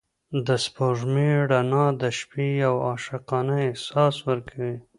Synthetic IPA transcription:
d̪əspoʒmeɽanɑd̪əʃpijawɑʃɪqɑnaɪsɑswəɾkʰawi

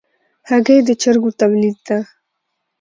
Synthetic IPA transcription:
haɡed̪ət͡ʃaɾɡot̪ablid̪̚d̪a

